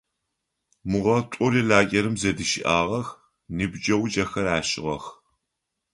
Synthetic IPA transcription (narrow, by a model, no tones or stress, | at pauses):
mʊʁɐtʷʼɔɾiɮaːɡʲʼɐɾɨmzɐdɨʃɪ̰ʔaːʁɐx | nɨbd͡ʒɐwd͡ʒɐxɐɾaːʃʼɪʁɐ̰x